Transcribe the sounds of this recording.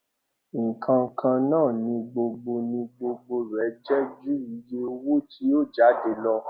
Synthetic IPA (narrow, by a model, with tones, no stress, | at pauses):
ŋ̩˨kʰã˧ŋ̩˧˦kʰã˧nãː˦˨nĩ˧ɡ͡bo˧ɡ͡bo˧nĩ˧ɡ͡bo˧ɡ͡bo˧ɾɛ˨˦d͡ʒɛ˦d͡ʒu˦i˨˦jo˦˧wu˦tʰi˨˦o˦˨d͡ʒa˨˦de˨lɔ˧